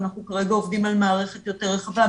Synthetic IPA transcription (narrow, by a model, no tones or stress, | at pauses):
naχnukaʁe̞ɡaovdimalmaːʁe̞χet̪jo̞te̞ʁeχava